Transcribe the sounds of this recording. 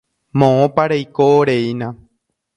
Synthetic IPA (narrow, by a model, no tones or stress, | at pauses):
mõõpaɾejkoːɾeinã